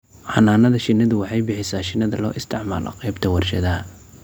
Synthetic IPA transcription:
ħɑnaːnɐðɐʃɪnːɐðʊwɑħɑjbɪħɪsaːʃɪnːɐðɐlɔːʔɪst̪ʰɪʕma̰ːlɔ̰qɛːbt̪ʰɐwɑrʃɐ̰ðɐɦɐ

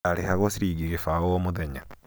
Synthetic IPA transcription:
aɾeɦaɣosiɾiːɡiɣefawomuðeɲa

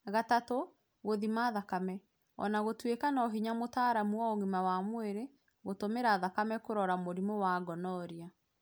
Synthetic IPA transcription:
ɣatato | ɣoðimaðakamɛ | ɔ̰naɣotwekanɔɦiɲamotaːɾamuɔoɣimawamweɾe | ɣotomeɾaðakamɛkoɾɔɾamoɾimowaɡɔnɔɾia

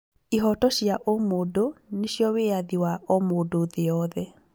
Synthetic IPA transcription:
iɦɔtɔɕjaʔomodoneɕjɔweaðiwaʔɔmodoðeɔðɛ

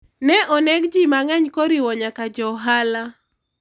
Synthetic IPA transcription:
nɛʔɔnɛɡd͡ʒimaŋɛɲkoɾiwɔɲakad͡ʒɔɦala

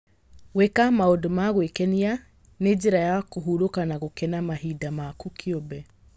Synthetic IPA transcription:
ɣwekamaodomaɣwekɛnia | ned͡ʒeɾajakoɦuɾokanaɣokɛnamahidamakukʰiobɛ

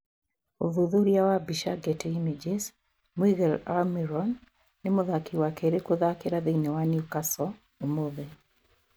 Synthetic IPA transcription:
oðuðuɾjawabiʃaɡeteimid͡ʒis | miɣɛlamiɾɔnː | emoðakiwakeɾekoðakeɾaðeinewaniukasɔ | omoðe

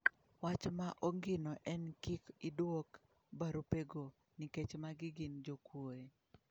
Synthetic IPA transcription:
wat͡ʃmaʔoŋɡɪnɔʔɛnkikɪdwok | baɾopeɡo | niket͡ʃmaɡɪɡɪnd͡ʒokwoe

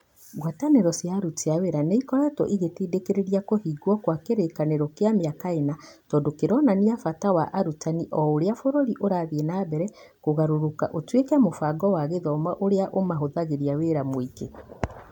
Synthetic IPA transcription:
ɡwataneɾɔsjaɾuteaweɾaneikɔɾatɔ̰ʔiɣetiːdekeɾeɾiakohiɡwɔkwakeɾekaneɾɔkeameakaenatɔːndokeɾɔnaniafatawaʔaɾutaniʔɔoɾeafoɾoɾiʔoɾaːðienabɛɾɛ | koɣaɾoɾoka̰ʔotwekamofaɡɔwaɣeðɔmaʔoɾeaʔomaɦoðaɣeɾiaweɾamoike

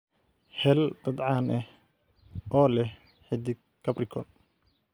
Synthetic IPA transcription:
hɛld̪̥ɐd̪ʕɑːnʔɛh | ɔːlɛh | ħɪd̪ɪ | kʰɐbrɪkʰɔl

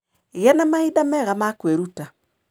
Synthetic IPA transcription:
eɣanamaidamɛɣamakweɾuta

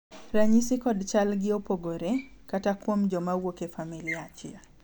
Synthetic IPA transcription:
ɾaɲisikɔdt͡ʃalɡɪopoɡoɾekatakwomd͡ʒɔmawokefamiliat͡ʃia

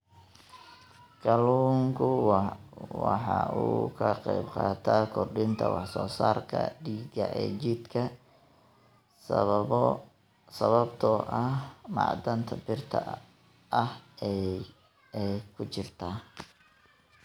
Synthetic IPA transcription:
kɐluːŋkʰʊ | wɑħɑ̰ʔuːkʰɐqɛjbqɑːt̪ʰaːkʰɔrɖɪnt̪ʰɐwɑħsɔːsaːrkʰɐ̰ɖiːɡɐʔɛːt͡ʃɪd̪kʰɐ | s | sɐβɐbt̪ʰɔʔɐmɑ̰ːd̪ɐnt̪ʰɐbɪrt̪ʰɐ | ʔɐh | ɛjkʰʊt͡ʃɪrt̪ʰaː

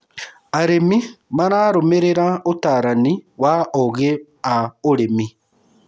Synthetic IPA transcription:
aɾemimaɾaːɾomeɾeɾaotaːɾaniwaɔɣe | aoɾemi

